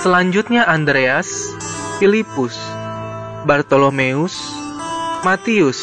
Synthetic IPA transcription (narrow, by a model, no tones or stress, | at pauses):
səlaɲd͡ʒʊt̪̚ɲaʔand̪ɾeas | filipʊs | bart̪olomeʊs | mat̪iʊs